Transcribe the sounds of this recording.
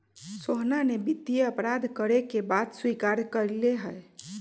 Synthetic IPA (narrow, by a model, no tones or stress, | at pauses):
soɦnanebid̪ijeəpɾad̪ʱkəɾekebad̪swikaɾkəɾleɦəj